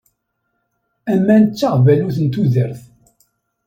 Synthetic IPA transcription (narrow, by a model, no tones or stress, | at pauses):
æmːænət͡sːaʁvæluθənt̪uðəɾθ